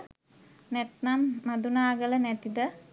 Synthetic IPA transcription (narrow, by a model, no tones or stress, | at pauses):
nɛt̪namːad̪unaːɡələnɛt̪id̪ə